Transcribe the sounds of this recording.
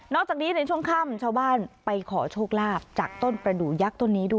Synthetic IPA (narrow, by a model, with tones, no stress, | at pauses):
nɔː˥˩k̚t͡ɕaː˨˩niː˦˥na˧jt͡ɕʰu˥˩əŋkʰa˥˩mt͡ɕʰaː˥˩wbaː˥˩npa˧jkʰɔ̰ː˩˦t͡ɕʰoː˥˩k̚laː˥˩p̚t͡ɕaː˨˩k̚t̪o˥˩npɾa˧duː˩ja˦˥k̚t̪o˥˩nːiː˦˥du˥˩˨